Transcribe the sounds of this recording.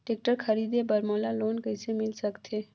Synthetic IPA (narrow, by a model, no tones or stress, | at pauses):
ʈek̚ʈəɾkʰəɾiːd̪ebəɾmoːlaloːnkəisemɪlsəkt̪ʰe